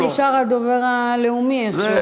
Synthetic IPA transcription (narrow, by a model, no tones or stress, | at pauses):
iʃaʁad̪oveʁa | leumieχe